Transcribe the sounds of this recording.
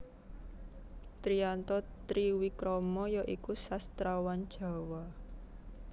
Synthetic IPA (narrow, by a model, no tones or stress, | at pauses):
t̪ɾiant̪ɔt̪ɾiwikɾɔmɔjɔʔikusast̪ɾawand̥ʒ̥ä̤wa